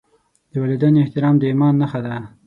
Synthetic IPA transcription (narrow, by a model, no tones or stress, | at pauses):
d̪̥əwalid̪aneɪht̪ɪɾɑmd̪əimɑnːaxad̪a